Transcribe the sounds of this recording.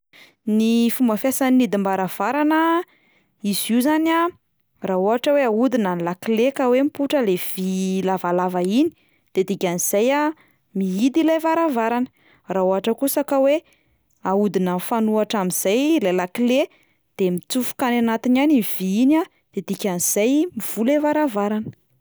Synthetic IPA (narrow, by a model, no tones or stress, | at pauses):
nifumbəfjasanːid̪imbaɾav̥aɾanə | iziuzana | raoɦaʈ͡ʂəweaud̪inanlakilekawempuʈ͡ʂəlev̥ilavalavaini̥ | d̪̥ed̪ikʲaniz̥aja | miid̪ilajvaɾavaɾanə | raoɦaʈ͡ʂəkusəkawe | aud̪inənfanuaʈ͡ʂamiz̥ajlajlakile | d̪̥emit͡sufu̥kananat̪inaniv̥iina | d̪̥ed̪̥ikʲaniz̥ajmiv̥ulevaɾavaɾanə